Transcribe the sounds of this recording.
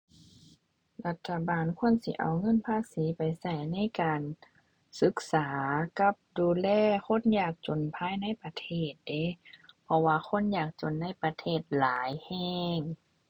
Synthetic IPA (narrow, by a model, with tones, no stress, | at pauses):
la˧t̪ʰːa˧baː˨nkʰu˧˥ə˨nsḭ˧˦ʔa̰˨˩wŋɤ˧˥˨npʰaː˧˥˨siː˨˦pa˨jsa˧˩jna˧˥˨jkaː˨n | sɯ˧˦k̚saː˨˦ka˧˦p̚duː˨lɛː˧˩˨ko˧˥˨njaː˧˩k̚t͡ɕo˨npʰaː˧˥˨jna˧˥˨jpa˧t̪ʰeː˧˥˩t̪̚de˨˦pʰɔ˧waː˧xo˧˥˨njaː˧˩k̚t͡ɕo˨˩nːa˧˥˩jpa˧t̪ʰeː˧˩t̪̚laː˨˦jhɛː˧˥˩ŋ